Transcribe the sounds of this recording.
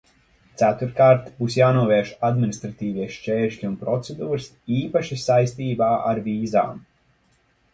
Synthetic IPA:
t̪sæt̪uɾkaːɾt̪buːsjaːnuɔvɛːʃad̪minist̪ɾat̪iːviɛʃt͡ʃɛːɾʃlʲiunpɾɔt̪sɛd̪uːɾs | iːpaʃisajst̪iːbaːʔaɾviːza̰ːm

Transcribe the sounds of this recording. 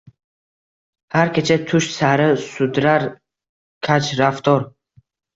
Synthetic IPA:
haɾkʰet͡ʃʰɛt̪ʰuʃsaɾəsud̪ɾaɾ | kʰat͡ʃɾaft̪ʰɔɾ

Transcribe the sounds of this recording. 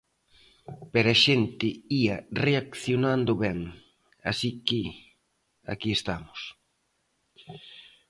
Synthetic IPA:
peɾaʃent̪ɪiɐreakθjonand̪ʊβɛŋ | a̰sikɪ | a̰kiest̪amʊs

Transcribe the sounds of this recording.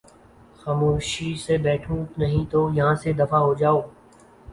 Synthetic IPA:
xaːmoːʃisebɛːʈʰũnɐɦĩt̪ojɐɦãsed̪ɐfaɦod͡ʒaːoː

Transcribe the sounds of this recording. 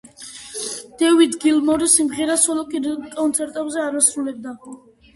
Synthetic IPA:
d̪̥ɛvid̪ɡilmɔɾsimʁɛɾasɔlɔkʼkʼɔnt̪sʰɛɾt̪ʼɛbzɛaɾasɾulɛb̚d̪a

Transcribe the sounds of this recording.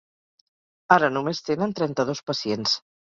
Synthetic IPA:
aɾənumest̪enənt̪ɾɛnt̪əð̞ospəsiens

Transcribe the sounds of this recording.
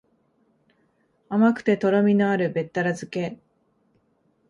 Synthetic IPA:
amakɯ̟̥t̪e̞t̪o̞ɾo̞mʲinoaɾɯ̟be̞t̪ːaɾazɨke̞

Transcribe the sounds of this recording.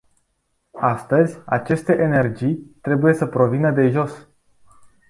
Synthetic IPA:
ast̪əzʲa̰t͡ʃe̞st̪e̞ʔene̞rd͡ʒijt̪ɾe̞buje̞səpɾo̞vinəd̪e̞ʒo̞s

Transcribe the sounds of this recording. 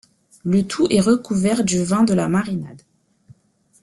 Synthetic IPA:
lət̪ʰuʔɛʁəkuvɛʁd̪yvɛ̃d̪əlamaʁinad̪

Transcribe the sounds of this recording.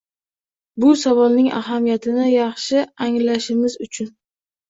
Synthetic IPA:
bʊsavɒlnɪŋʔa̰ɦamijat̪ʰɪnɪjɑχʃɪaŋlaʃɪmɪzʊt͡ʃʰʊn

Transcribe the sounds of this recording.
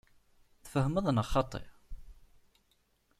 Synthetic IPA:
θə̥fəhəməðˤnɑχɑt̪ˤḛɾ

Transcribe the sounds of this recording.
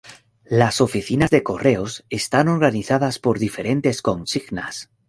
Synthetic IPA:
laso̞fiθinazðe̞ko̞re̞o̞se̞st̪ano̞ɾɣ̞aniθað̞aspo̞ɾðife̞ɾe̞nt̪e̞sko̞nsiɣna̰s

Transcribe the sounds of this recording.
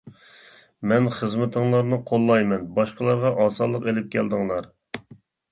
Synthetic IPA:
mɛnχəzmɪt̪ʰɨŋlˠɑɾnɨqʰolˠːɑjmɛnbɑʃqəlˠɑɾʁɑʔɑːsɑlˠːəqelɪp̚kʲʰɛld̪ɨŋlˠɑɾ

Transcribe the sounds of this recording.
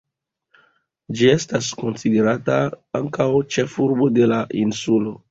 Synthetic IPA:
d͡ʒie̞stasko̞nside̞ɾataaŋkawt͡ʃe̞fuɾbo̞de̞laʔinsulo̞

